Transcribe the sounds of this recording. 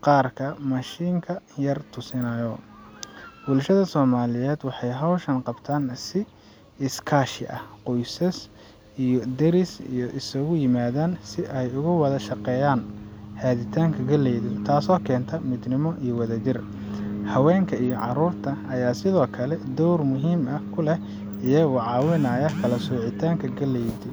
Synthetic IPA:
qɑːrkʰɐmɐʃiːŋkʰɐjɐrt̪ʰʊsɪnɐjɔ | bʊlʃɐðɐsɔːmaːlɪjɛːd̪wɑħɑjɦɐwʃɐnqɑbt̪ʰaːnsɪ | ɪskʰaːʃɪ̰ʔɐ̰hqʊjsɐs | ʔijɔd̪ɛɾɪsḭjɔʔɪsɐɣʊjɪmaːðaːnsɪʔɛjʊɣʊwɐðɐʃɑqɛːjaːnhaːðɪt̪ʰaːŋkʰɐɡɐlɛjðɪt̪ʰaːsɔːkʰɛːnt̪ʰɐmɪd̪nɪmɔʔijɔwɐðɐd͡ʒɪr | hɐwɛːŋkʰɐijɔʕɑɾuːrt̪ʰɐɐjaːsɪðɔːkʰɐlɛd̪ɔwrmʊɦiːmɐkʰʊlɛ | ijɐɣʊʕɑːwɪnɐːjɐkʰɐlɐsuːʕɪt̪ʰaːŋkʰɐɡɐlɛjðɪ

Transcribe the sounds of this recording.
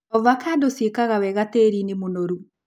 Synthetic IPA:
ɔvakʰadosekaɣawɛɣateɾinimonoɾu

